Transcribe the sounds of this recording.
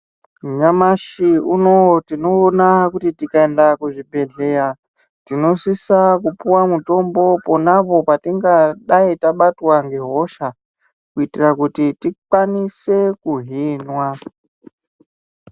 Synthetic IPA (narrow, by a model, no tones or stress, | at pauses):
mɲamaʃiuno̞tino̞ːnakutitikae̞ndakuʐibʱe̞ɮe̞ja | tino̞sisakupuwamuto̞mbo̞ponapo̞patiŋɡaɗaitaɓatwaŋɡe̞ɦo̞ʃa | kuitirakutitikwanise̞kuɦiːnwa